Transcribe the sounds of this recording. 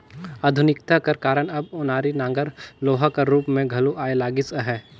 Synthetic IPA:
aːd̪ʱʊnɪkt̪akɐɾkaːɾəɳ̃ɐbʊnaːɾinãːŋɡəɾloːɦakɐɾuːpmẽɡʱɐloʔaːelaːɡɪsəɦɛː

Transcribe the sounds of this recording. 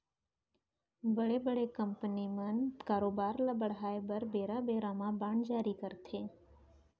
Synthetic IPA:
bəɽebəɽekə̃mpənimənkaːɾoːbaːɾlaːbəɽɦaːebəɾbeːɾabeːɾaːmãbãːɳd͡ʒaːɾikəɾt̪ʰeː

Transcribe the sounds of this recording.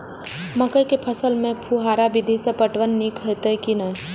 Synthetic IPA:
məkəjkepʰəsəlmẽpʰuɦaːɾabɪd̪ʱisepəʈʋənːikɦət̪əjkinə

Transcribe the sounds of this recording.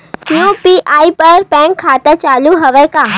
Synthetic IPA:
tijõpiʔaːipɐɾpɛ̃ːkʰːaːt̪ət͡ɕaːluɦɐʋekaː

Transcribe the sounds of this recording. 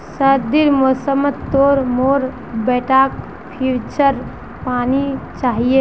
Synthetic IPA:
səɾd̪iɾmosəmət̪ːoːɾmoɾ | bɛʈak | pʰiɾt͡ʃəɾ | paːnit͡ʃaːɦie

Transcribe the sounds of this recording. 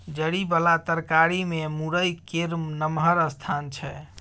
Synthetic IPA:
d͡ʒəɽibəlat̪əɾkaɾimemuɾəjkeɾmnəmɦəɾəst̪ʰant͡ʃʰɛ

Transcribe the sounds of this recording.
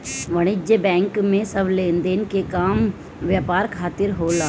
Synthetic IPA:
ʋɐɽ̃ɪd͡ʒəbɛ̃ːŋkmẽsəblẽːnd̪eːnkekaːm | ʋjaːpaːɾkʰaːt̪ɪɾɦola

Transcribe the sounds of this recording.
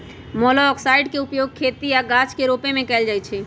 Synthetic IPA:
mɔlɔːksaɪɖkeʊpjoːɡ̚kʰet̪ijaɡat͡ʃkeɾoːpemẽkɛːld͡ʒaːjt͡ʃʰɛ

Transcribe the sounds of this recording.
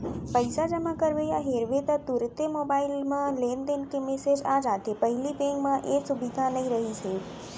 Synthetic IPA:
pəjsad͡ʒəmãkəɾʋejaɦeɾʋet̪at̪uɾɪt̪jəmobailmãlend̪enkemesed͡ʒad͡ʒat̪epəɦilibeŋɡmãʔesubid̪ʱanəĩɾəɦit͡ʃʰe

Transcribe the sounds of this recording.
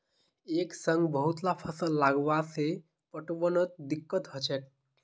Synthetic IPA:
eksəŋɡbəɦut̪lapʰəsəlːaɡʋase | pəʈʋənət̪̚d̪ikːət̪ɦət͡ʃet̪̚

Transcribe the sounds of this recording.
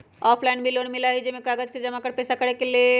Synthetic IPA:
ɔpʰlainbʱilonmilaɦid͡ʒemekaɡəd͡ʒked͡ʒəmakəɾpɛsakəɾekele

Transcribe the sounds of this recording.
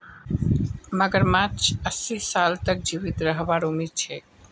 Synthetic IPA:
məɡəɾmat͡ʃəsisalt̪ək̚d͡ʑibit̪ɾəɦbaɾumiɾt͡ɕʰe

